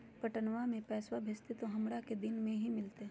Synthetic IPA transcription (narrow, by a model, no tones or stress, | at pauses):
pɐʈənʋamẽpɛːswabʱest̪et̪oɦɐmɽaked̪ɪnmẽɦimɪlt̪e